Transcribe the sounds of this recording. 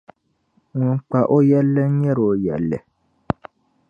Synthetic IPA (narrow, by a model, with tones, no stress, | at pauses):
wɔ̃˦k͡pa˨ʔo˦jɛ˦lɛ˦n̩˦jɛ˦ɾo˨jɛ̰˨lɛ̰˨